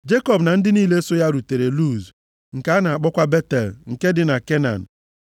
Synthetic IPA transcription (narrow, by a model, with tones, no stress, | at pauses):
d͡ʒe˦kɔ˨bna˨n̩˦dɪ˦niː˦˨le˦so˦ja˦ɾu˨te˨ɾe˨lu˦z | ŋ̩˨ka˨˦na˨a˨k͡pɔ˦kʷa˦be˦te˨lŋ̩˨ke˦dɪ˦na˨ke˦na̰˨n̩˨